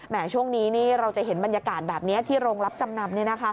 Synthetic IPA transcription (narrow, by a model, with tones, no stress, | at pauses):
mɛː˨˩˦t͡ɕʰu˥˩əŋniː˦˥niː˥˩ɾa˧wt͡ɕa˨˩ɦe˩˦nba˧nja˧kaː˨˩t̪̚bɛː˨˩p̚ni˦˥ɐt̪ʰiː˥˩ɾoː˧ŋla˦˥p̚t͡ɕa˧mna˧mni˥˩na˦˥kʰa˦˥